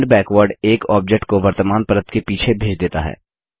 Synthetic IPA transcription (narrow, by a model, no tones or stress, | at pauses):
ɳɖbɛːkʋəɾɖeːkɔːp̚d͡ʒek̚ʈkoʋɐɾt̪əmaːnpɐɾət̪kepiːt͡ʃʰebʱeːd͡ʒd̪eːt̪a̰ɦɛ̰ː